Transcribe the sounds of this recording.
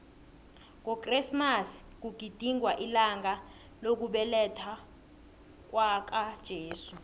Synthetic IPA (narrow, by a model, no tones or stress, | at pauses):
ŋɔkʼrismas | k̬uɡ̥ʱid̥ʱiŋwaʔilaŋa | lok̬uɓɛlɛtʰa | k̬wak̬ad̥ʒ̥ʱeːsu